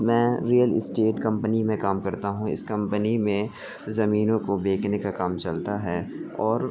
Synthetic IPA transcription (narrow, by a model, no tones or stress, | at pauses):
mɛ̃ːɾiːəlɪ̰sʈeːʈkɐ̃mpənimẽkaːmkɐɾt̪aɦũɪ̰skɐ̃mpənimẽ | zɐmiːnõkobeːkʰnekakaːmt͡ʃɐlt̪aɦɛːɔːɾ